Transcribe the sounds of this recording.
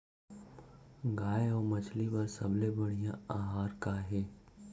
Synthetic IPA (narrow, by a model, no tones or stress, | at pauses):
ɡaːjɔːmɐt͡ʃʰlibɐɾsɐblebɐɽ̤̃ijãaːɦaːɾkaɦɛː